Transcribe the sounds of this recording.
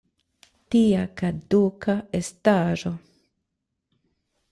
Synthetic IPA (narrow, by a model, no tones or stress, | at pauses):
tiakadukaestaʒo